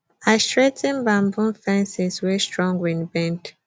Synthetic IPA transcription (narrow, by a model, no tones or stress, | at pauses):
aɪstɹetʰɛ̃nbãmbũnfɛ̃nsiswɛstɹɔ̃ŋɡwĩnbɛ̃nt